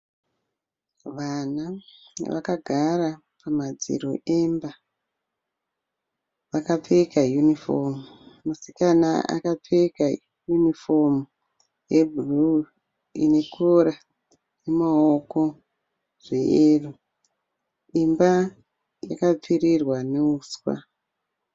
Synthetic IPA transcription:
ʋanaʋakaɡʱara | pamad͡zḭɾo̰ʔemba | ʋakap͡fekajunifomumusi̥kanaa̰kap͡feka | junifo̞mu | jebru | ḭne̞kʰoɾa | nemaoko̞ | ʐ̥eeːru | imba | jakap͡firirwane̞uːswa̰

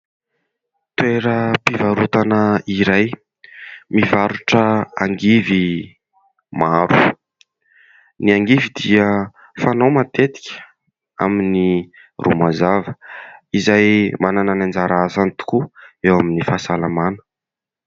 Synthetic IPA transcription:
t̪weɾəpivaɾut̪anəiɾaj | mivaɾuʈ͡ʂəa̰ŋɡivi | maɾu̥ | niaŋɡivid̪iə | fanowmat̪et̪i̥kʲə̥ | a̰mini | rṵmazavəizajmanananand͡zaɾazanit̪u̥kuewaminifasalamanə̥

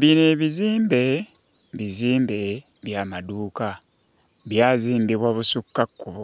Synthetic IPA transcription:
βineβiziːmbe̞ | βiziːmbe̞ | βjamaduːka | βjaːziːmbiβwaβusukːakːuβo

